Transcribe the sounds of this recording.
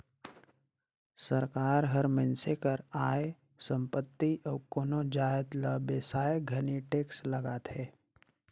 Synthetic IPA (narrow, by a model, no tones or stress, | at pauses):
səɾkaːɾɦəɾmə̃nsekəɾaːe | sə̃mpət̪ːiʔɔːkoːnod͡ʒaːjət̪ləbeːsaːjeɡʱɐniʈeːksləɡaːt̪ɦɛː